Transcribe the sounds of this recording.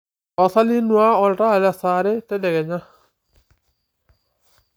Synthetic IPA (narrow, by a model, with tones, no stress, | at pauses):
ɔ˨sa˦li˦nwa˦ɔ˨lɾa˦˨la˨sa˨ɾɛ˦tɛ˦dɛ˨ɡɛ˨ɲa˦